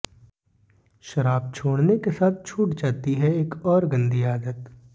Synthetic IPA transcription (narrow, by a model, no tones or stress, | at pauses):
ʃɐɾaːb̚t͡ʃʰoːɽnekesaːt̪̚ʰt͡ʃʰuːʈd͡ʒaːt̪iɦɛeːkɔːɾɡɐ̃nd̪ʱiaːd̪ət̪